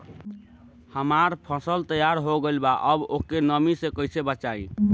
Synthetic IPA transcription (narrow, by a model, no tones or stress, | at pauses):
həmaɾpʰəsəlt̪əjaɾɦoɡelbaʔəbokenəmisẽkəɪsebət͡ʃaĩ